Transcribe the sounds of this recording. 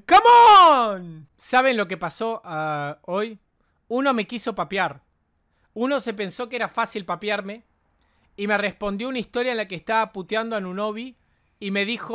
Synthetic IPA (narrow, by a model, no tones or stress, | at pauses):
kamon | saβ̞e̞nlo̞ke̞paso̞ʔaoj | uno̞me̞kiso̞papjaɾ | uno̞se̞pe̞nso̞keeɾafasilpapjaɾme̞ | imere̞spo̞nd̪jo̞unaist̪o̞ɾjaenlakeːst̪aβaput̪jand̪oanuno̞βiː | me̞ðixo